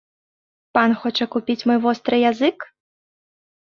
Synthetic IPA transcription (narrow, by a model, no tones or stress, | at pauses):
panxɔt͡ʂɐkupʲit͡sʲmɔjvɔst̪ɾɨjazɨk